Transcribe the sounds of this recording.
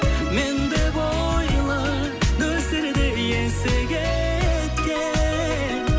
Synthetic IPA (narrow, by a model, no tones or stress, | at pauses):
mend̪ebo | jlˠə | d̪ɵsɪɾd̪eijesɪɡʲe | t̪kʲe